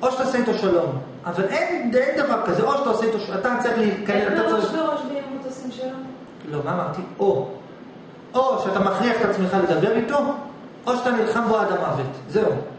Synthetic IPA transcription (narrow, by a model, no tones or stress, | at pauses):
ʔo̞ʃt̪aoseit̪oʃalo̞m | avalʔe̞ndend̪avaʁkazeʔo̞ʃat̪aoseit̪oʃat̪at͡saʁiχliːtkaneat̪aaʁioʁoʃvimot̪osimʃalom | lomaːmaʁt̪io̞ | ʔoʃeat̪amaχliaχet̪at͡smeχaled̪abe̞ʁit̪o̞ | o̞ʃat̪anilχamboadamavetze̞u